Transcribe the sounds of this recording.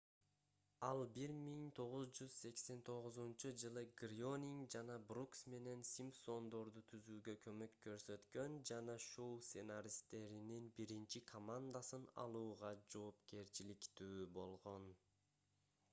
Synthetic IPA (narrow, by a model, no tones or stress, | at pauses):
ɑlˠbiɾmiŋt̪ʰo̞ʁuzd͡ʒyz̥se̞kse̞nt̪ʰo̞ʁʊzunt͡ʃud͡ʒɯlˠɯɡrʲo̞nʲiŋɡd͡ʒɑnɑbruksme̞ne̞nsʲimpso̞nd̪o̞ɾd̪ut̪ʰyzyːɡø̞kʰø̞mø̞kːø̞ɾsø̞t̪kø̞nd͡ʒɑnɑʃo̞wsʲenaɾʲist̪e̞ɾininbiɾint͡ʃikʰomand̪asɯnɑ̰lˠuːʁɑd͡ʒo̞ːpke̞ɾt͡ʃilikt̪yːbo̞lˠʁo̞n